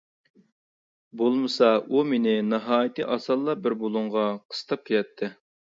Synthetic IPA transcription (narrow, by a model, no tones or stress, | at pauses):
bolˠmɨsɑumenɪnɨɦɑːjit̪ɨʔɑsɑlˠːɑbɪɾbolˠʊɴʁɑqʰə̥st̪ɑp̚kʲʰelɛt̪ʰːɪ